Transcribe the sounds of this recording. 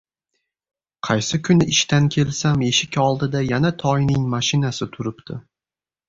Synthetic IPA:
qʰɑjsɪkʰʊnɪɪʃt̪ankʲʰe̞lsame̞ʃɪkʲɒlˠd̪ɪd̪ajanat̪ʰɒjnɪŋmaʃɪnasɪt̪ʰʊɾɪpt̪ʰɪ

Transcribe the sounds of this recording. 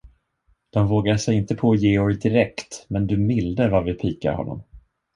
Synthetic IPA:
d̪̥ɔmvoːɡaʂɛjɪnt̪əpʰɔːjeːɔɾd̪ɪɾɛkt̪mɛnd̪ɵmɪld̪əɾvaɾvɪpʰiːka̰ɾhɔ̰nːɔ̰m

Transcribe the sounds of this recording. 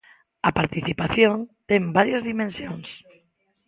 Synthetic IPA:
apaɾt̪iθipaθjõnt̪embaɾjazðimẽnsjoŋs

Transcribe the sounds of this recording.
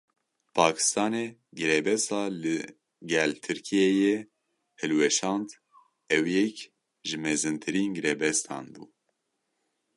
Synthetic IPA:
pʰɑːkʰɨ̥st̪ɑːneːɡɨɾɛbɛst̪ɑːlɨ | ɡɛlt̪ʰɨɾkʰijɛjɛ | hɨlwɛʃɑːnd̪ | ɛwjɛk | ʒɨmɛzɨnt̪ʰɨɾiːnɡɨɾeːbɛst̪ʰɑ̰ːnbṵː

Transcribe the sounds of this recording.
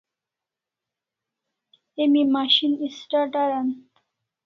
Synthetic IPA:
emimaʃinisʈaʈaɾan

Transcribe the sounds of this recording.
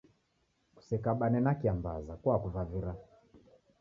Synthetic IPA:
ku̥sɛkaɓanɛnakiambazakwakuvaviɾa

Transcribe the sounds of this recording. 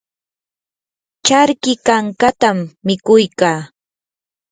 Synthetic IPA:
t͡ʃaɾkɪkaŋkat̪amːɪkʊjkaː

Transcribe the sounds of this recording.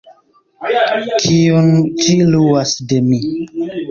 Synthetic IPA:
kʰiont͡ʃiluasdemi

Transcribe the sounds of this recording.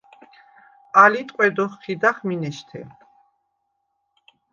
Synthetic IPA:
alit̪ʼqʼwɛd̪ɔχːid̪aχminɛʃt̪ʰɛ̰

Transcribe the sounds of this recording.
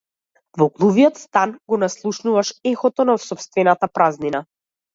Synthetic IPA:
vɔɡlˠuviɔt̪st̪anɡɔnaslˠuʃnuvaʃɛxɔt̪ɔnafsɔpst̪vɛnat̪apɾaznina

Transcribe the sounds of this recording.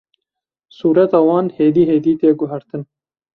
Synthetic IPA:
suːɾɛt̪ɑːwɑːnheːd̪iːɦeːd̪iːt̪eːɡʊɦɛɾt̪ɨn

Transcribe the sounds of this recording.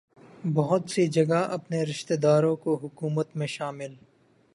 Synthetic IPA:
bɐɦʊt̪sid͡ʒɐɡaʔɐpneɾɪʃt̪eːd̪aːɾõkoɦʊkuːmət̪mẽʃaːmɪl

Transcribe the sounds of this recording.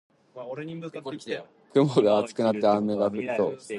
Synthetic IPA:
kɯ̟moɡaat͡sɨ̥kɯ̟nat̪ːeãnːeɡaɸɯ̟t̪ːo

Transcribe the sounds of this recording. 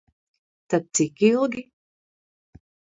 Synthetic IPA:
t̪ad̪̚t̪sikilˠɡʲi

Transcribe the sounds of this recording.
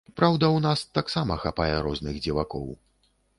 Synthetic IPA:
pɾawd̪ɐwnast̪aksamɐxapajɛɾɔznɨɣd͡zʲivakɔ̰w

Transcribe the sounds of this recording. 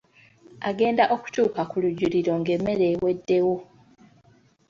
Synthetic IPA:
aɡe̞ːndaʔo̞ku̥cuːkakuluɟːuliɾo̞ŋɡe̞mːe̞ɾe̞ːwe̞dːe̞wo̞

